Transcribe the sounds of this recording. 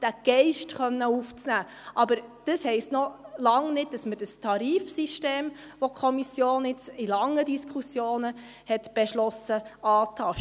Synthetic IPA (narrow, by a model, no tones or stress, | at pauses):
d̥æɡ̥ɛɪʃtχœnːəuft͡snæː | ʔɑbəɾd̥əshɛɪstnɔlɑŋnɪd̚d̥ɑsməd̥əstʰɑɾiːfsiʃteːm | ʋokʰχɔmisjoːnɪt͡silɑŋːədiskχusjoːnə | hɛtb̥eʃlɔsəɑːtʰɑʃ